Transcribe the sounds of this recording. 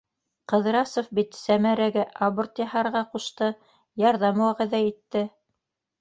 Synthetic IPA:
qɤ̆ðɾɑsŏfbit̪sæmæɾæɡæʔaβort̪jɑhɑɾʁɑquʃt̪ɤ | jɑɾðɑmwæʁæðæit̪ːɘ

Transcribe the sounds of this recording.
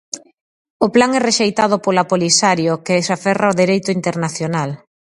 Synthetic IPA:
ʊplaŋɛreʃejt̪að̞ʊpolapolisaɾjokesafɛraoðiɾejt̪ʊint̪eɾnaθjonal

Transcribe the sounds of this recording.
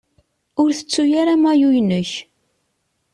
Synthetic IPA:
ʊɾθə̥t͡sːujaɾamæjujnəç

